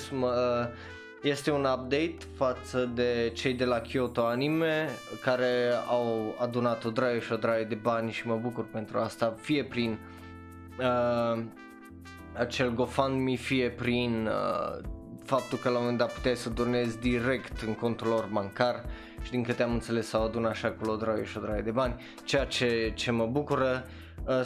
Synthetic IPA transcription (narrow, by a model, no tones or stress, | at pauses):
smə | je̞st̪e̞unap̚d̪e̞jt̪fat̪səd̪e̞t͡ʃe̞jd̪e̞lakʲiot̪o̞animekaɾe̞awad̪unat̪od̪ɾajəʃio̞d̪ɾajəd̪e̞banʲʃiməbukurpe̞nt̪ɾuast̪afije̞pɾin | ə | at͡ʃe̞lɡo̞fanmifije̞pɾinə | fap̚t̪ulkəlamomend̪apu̥t̪eajsəd̪urne̞zʲd̪iɾe̞kt̪ɨŋko̞nt̪ɾulo̞rmaŋkar | ʃid̪iŋkɨt̪eamɨnt̪se̞le̞sːawad̪unaʃakolod̪ɾajeʃio̞d̪ɾajed̪e̞banʲ | t͡ʃejat͡ʃe̞t͡ʃe̞məbukuɾə | ə